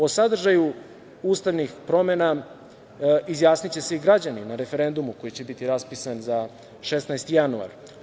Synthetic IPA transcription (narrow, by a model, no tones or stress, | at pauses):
o̞sad̪r̩ʒaju | uːst̪aʋnixpɾo̞mena | izjaːsnit͡ɕe̞seiɡɾad͡ʑaninaɾe̞fe̞ɾe̞nd̪umuko̞jit͡ɕe̞bit̪iɾaspisanza | ʃesnajst̪ijanua̰ɾ